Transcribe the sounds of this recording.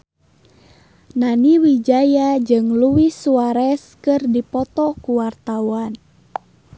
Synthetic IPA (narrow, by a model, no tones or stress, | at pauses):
naniwid͡ʒajad͡ʒɨŋluwisuaɾɛskɨrdipɔt̪ɔkuwart̪awan